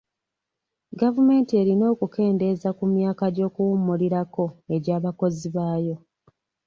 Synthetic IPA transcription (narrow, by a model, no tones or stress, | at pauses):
ɡavume̞ːntie̞ɾino̞ːkuke̞ːnde̞zakumjaːkaɟo̞ːkuwumːuliɾako̞e̞ɟaːβako̞ziβaːjo̞